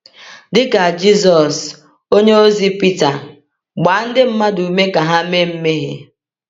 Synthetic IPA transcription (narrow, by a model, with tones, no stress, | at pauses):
dɪ˦ka˨d͡ʒi˦s̬ɔ˨s | o˦ɲe˦o˦zi˦pi˦ta˨ | ɡ͡ba˨˦n̩˦dɪ˦m̩˦ma˦du˨me˦ka˨ɦa˦me˦m̩˦me˦ɦḛ˨